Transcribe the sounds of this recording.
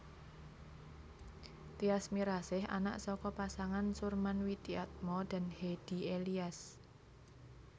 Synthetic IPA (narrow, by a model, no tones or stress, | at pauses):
t̪iasmiɾasɪɦa̰na̰ʔsɔkɔpasaŋansurmanwit̪iat̪̚mɔd̪̥a̤nhed̥i̤elias